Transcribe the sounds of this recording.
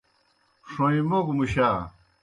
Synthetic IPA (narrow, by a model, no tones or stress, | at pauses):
ʂoimokmuɕa